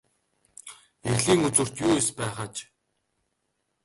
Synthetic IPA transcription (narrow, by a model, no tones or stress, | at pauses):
erɮiːŋut͡swŭr̥t̪juːjespæːχaːt͡ɕ